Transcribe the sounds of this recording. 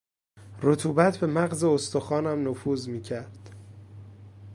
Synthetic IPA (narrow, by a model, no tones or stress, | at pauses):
rot̪ʰuːbæt̪ʰbe̞mæɣze̞ost̪oxɒːnæmnofuːzmiːcʰæɾd̪̥